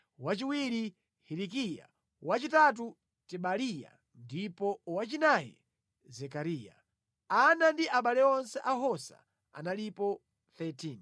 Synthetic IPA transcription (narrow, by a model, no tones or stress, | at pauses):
wat͡ʃiwiɾi | hiɾikija̰ | wat͡ʃitat̬u | tɛɓalija̰ | ndipɔwat͡ʃinajɛ̰ | zɛkaɾiːja̰ | anandiʔaɓalɛɔnsɛʔaɦɔsa̰ | a̰nalipɔ | θɛtʰin